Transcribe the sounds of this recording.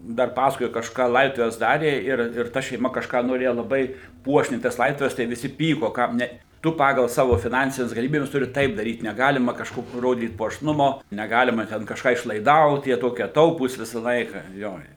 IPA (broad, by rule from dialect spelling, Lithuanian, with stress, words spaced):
ˈdɐr ˈpɑːsɐkoːjoː kɐʃˈkɑː ˈlˠɐɪdoːtʊʋʲɛs ˈdɑːrʲeː ɪr ɪr ˈtɐ ʃʲɛɪˈmɐ kɐʃˈkɑː noːˈrʲeːjɛ lˠɐˈbɐɪ ˈpuɔʃʲnʲɛɪ tɐs ˈlˠɐɪdoːtʊʋʲɛs tɐɪ ʋʲɪˈsʲɪ ˈpʲiːkoː kɐm ˈnʲɛ ˈtʊ ˈpɑːɡɐlˠ ˈsɑːʋoː fʲɪˈnɐnʲsʲɪnʲɛs ɡɐlʲɪˈmʲiːbʲɛs ˈtʊrʲɪ ˈtɐɪp dɐˈrʲiːt nʲɛˈɡɑːlʲɪmɐ kɐʃˈkoːkʲoː ˈroːdʲiːt puɔʃˈnʊmoː nʲɛˈɡɑːlʲɪmɐ ˈtʲɛn kɐʃˈkɑː ɪʃlˠɐɪˈdɐʊt jiɛ ˈtoːkʲiɛ ˈtɐʊpuːs ˈʋʲɪsɐ ˈlˠɐɪkɐ ˈjoː ɪ